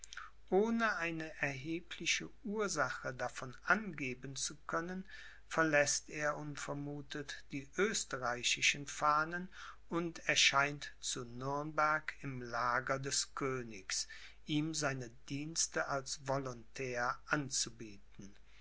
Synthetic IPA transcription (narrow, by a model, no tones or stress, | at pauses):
ʔoːnəʔaɪnəʔɛɐɦeːpʰlɪʃəʔuːɐzaχədafɔnʔanɡeːbənt͡sukʰœnən | fɛɐlɛsteːɐʊntfɛɐmuːtʰətd̥iːʔøːstəʁaɪɕɪʃənfaːnən | ʊntɛɐʃaɪntt͡sunʏɐnbɛɐkʰɪmlaːɡɐdɛskʰøːnɪks | ʔiːmzaɪnədiːnstəʔalsvɔlʊntʰɛːɐʔant͡subiːtn̩